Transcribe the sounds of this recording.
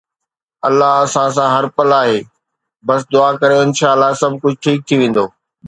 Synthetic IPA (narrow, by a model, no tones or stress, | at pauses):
ɐlːaɦɐsãs̬ãɦɐɾpɐlaːɦeː | bɐs̬d̪ʊaːkɐɾjõɪ̃nʃaːlːasɐbʱkʊd͡ʑʱʈʰiːk̚t̪ʰiʋẽːn̆d̪oː